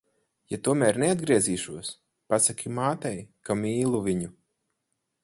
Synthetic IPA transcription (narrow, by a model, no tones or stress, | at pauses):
jat̪uɔmæːɾnead̪̚ɡɾiɛziːʃuɔs | pasakʰʲimaːt̪ɛjkamiːlˠuviɲu